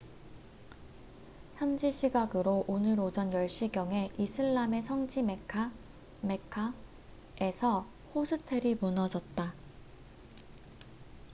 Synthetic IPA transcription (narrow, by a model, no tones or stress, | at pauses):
çjand͡ʑiɕʰiɡaɡɯɾoʔonɯɾod͡ʑʌnjʌɭɕ͈iɡjʌŋɦe̞ʔisʰɯɭːame̞sʰʌŋd͡ʑimekʰa | me̞kʰa | e̞sʰʌ | hosʰɯtʰe̞ɾimunʌd͡ʑʌt̚t͈a